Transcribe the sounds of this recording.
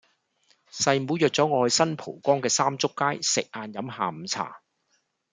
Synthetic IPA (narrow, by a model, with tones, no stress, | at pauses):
sɐ˨jmuː˨˥jœː˨k̚t͡sɔː˨˥ŋɔː˨˧jsɐ˥npʰo˨˩wkɔː˥ŋkɛː˧saː˥mt͡sʊ˥kːaː˥jsɪ˨k̚ʔaː˨˧njɐ˨˥mhaː˨m̩˨˧t͡sʰa̰ː˨˩